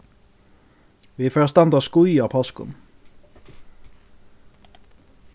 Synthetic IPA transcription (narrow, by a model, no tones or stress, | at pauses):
ʋiːføːʁst̪ɑnd̪əskʊʏɑːpʰɑskʊ̰n